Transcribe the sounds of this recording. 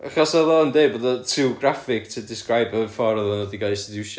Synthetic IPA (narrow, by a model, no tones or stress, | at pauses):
aχɔsɔðɔəndeboːdɔtʰɪɡrafɪk̚tʰədɪskrajbəfɔɾəðɔnədiɡasidʃ